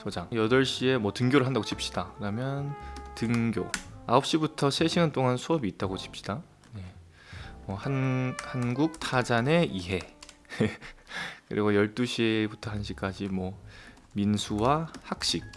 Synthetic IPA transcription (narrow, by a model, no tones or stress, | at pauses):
sʰod͡ʑaŋjʌdʌɭɕ͈ie̞mwʌtɯŋɡjoɾɯɭɦandaɡot͡ɕip̚ɕ͈id̥akɯɾamjʌntɯŋɡjo̰aʌp̚ɕ͈ibutʰʌsʰe̞ɕʰiŋant͈ʰoŋansʰuʌbiːt̚t͈aɡot͡ɕi̥p̚ɕ͈i̥d̥a | ne̞ | ʌhanhanɡuk̚tʰad͡ʑane̞ʔiɦe̞e | kɯ̰ɾʔḭɡojʌɭt͈uɕʰibutʰʌɦanɕ̬ʰik͈ad͡ʑimwʌ | minsʰuwahak̚ɕ͈ik̚